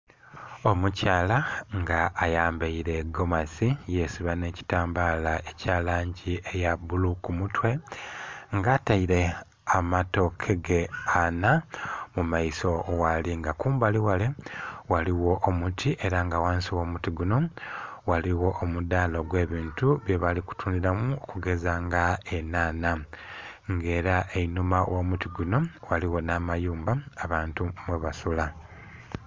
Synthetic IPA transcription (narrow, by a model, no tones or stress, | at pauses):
o̞mucaːlaŋɡaːjaːmbaiɾe̞ɡo̞masije̞siβane̞ːci̥taːmbaːlae̞caːlaːɲɟiʔejabulukumutwe̞ | ŋɡaːtaiɾe̞ | amato̞kʰe̞ɡe̞anamumaiso̞waliŋɡakuːmbaliwalewaliwo̞ʔːmutʰiʔe̞ɾaŋɡawaːnsiwo̞ːmutiɡuno̞waliwo̞ʔːmudaːlo̞ɡwe̞ːβiːntuβje̞βaliku̥tʰuːndiɾamuokuɡe̞zaŋɡaenaːna | ŋɡe̞ːɾaʔeinumawʔoːmutiɡuno̞waliwo̞naːmajuːmbaaβaːntumwe̞βasula